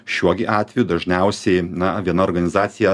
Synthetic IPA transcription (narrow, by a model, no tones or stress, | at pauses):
ʃʲuɔɡʲɪʔɑːt̪ʲʋʲɛjuːd̪ɐʒʲnʲæˑʊsʲɛɪnɐʋʲiɛnɐoːɾɡɐnʲɪzɑːt̪sʲɪjɛ